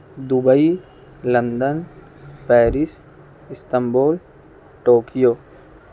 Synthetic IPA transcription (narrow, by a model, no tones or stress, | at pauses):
d̪ʊbəi | lɐ̃nd̪ən | pɛːɾɪs | ɪst̪əmboːl | ʈoːkijoː